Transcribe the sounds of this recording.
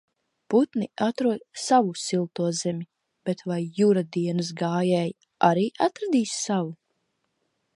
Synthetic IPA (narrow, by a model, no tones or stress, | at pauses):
put̪niat̪ɾuɔd̪savusilˠt̪uɔzemʲi | b̥et̪vajːuɾad̪iɛnɨs̬ɡaːjɛːj | ʔaɾiːʔat̪ɾad̪iːssavu